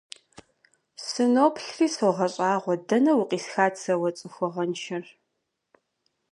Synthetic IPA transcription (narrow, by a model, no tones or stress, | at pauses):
sɨnoːpʰɬriːsɐʁɐɕʼaːʁʷɔdɐnɐwʊqʼiːsxaːt͡sʰɐwɐt͡sʼɨxʷʊʁɐnʃɐr